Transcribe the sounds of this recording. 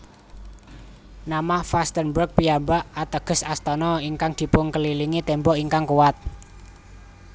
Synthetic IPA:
namahfast̪ənbək̚pijambaʔat̪əɡ̥ə̤sast̪ɔnɔiŋkaŋd̪̥i̤pʊŋkəliliŋit̪ɛmbɔʔiŋkaŋkuwat̪̚

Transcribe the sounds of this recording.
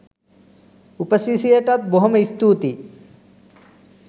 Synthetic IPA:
upɐsisijeʈɐt̪̚boɦɐmist̪uːt̪i

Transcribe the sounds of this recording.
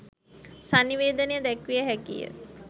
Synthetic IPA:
saniʋeːd̪ənejəd̪ɛkʋijəɦækḭjə̰

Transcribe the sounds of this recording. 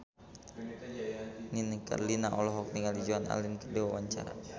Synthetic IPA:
ninəka̰rlinaʔɔlɔɦɔk̚niŋalid͡ʒoana̰linkədewawaɲt͡ʃa̰ɾa̰

